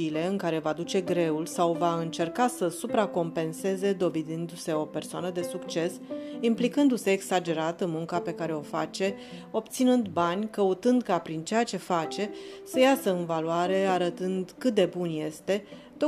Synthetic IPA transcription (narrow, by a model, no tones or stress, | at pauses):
iːle̞ɨŋkaɾe̞vad̪ut͡ʃe̞ɡɾe̞ulsawvaɨnt͡ʃe̞rkasəsupɾako̞mpe̞nse̞ze̞d̪o̞ved̪ind̪use̞o̞pe̞rsoanəd̪e̞sukt͡ʃe̞simplikɨnd̪use̞ːksad͡ʒe̞ɾat̪əmuŋkape̞kaɾe̞o̞fa̰t͡ʃe̞o̞pt̪sinɨnd̪banʲkəut̪ɨnd̪kapɾint͡ʃe̞jat͡ʃe̞fat͡ʃe̞səjasəɨnvaluaɾe̞aɾət̪ɨnd̪kɨt̪̚d̪e̞bunje̞st̪e̞ | t̪o